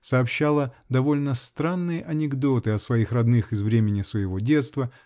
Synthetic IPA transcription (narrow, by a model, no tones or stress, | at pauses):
sɐːpɕːalˠəd̪ɐvo̞lʲnəst̪ɾanːɨjəʔɐnʲɪɡd̪o̞t̪ɨɐsvɐixrɐd̪nɨxɪzvɾʲemʲɪnʲɪsvəjɪvo̞dʲe̞t̪st̪və